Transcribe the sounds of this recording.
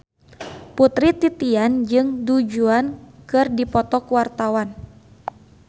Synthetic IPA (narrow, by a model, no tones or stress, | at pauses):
put̪ɾit̪it̪iand͡ʒɨŋdud͡ʒuankɨrdipɔt̪ɔkuwart̪awan